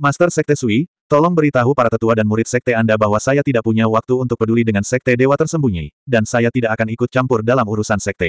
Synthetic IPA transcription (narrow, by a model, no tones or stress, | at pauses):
mast̪ərsɛk̚t̪ɛsui | t̪ɔlɔŋbəɾit̪aɦupaɾat̪ət̪uadanmuɾɪt̪̚sɛk̚t̪ɛandabaɦwasajat̪idaʔ̚puɲawak̚t̪uːnt̪ʊk̚pədulidəŋansɛk̚t̪ɛdewat̪ərsəmbuɲḭdansajat̪idaʔakanikʊt̪̚t͡ʃampʊrdalamuɾusansɛk̚t̪ɛ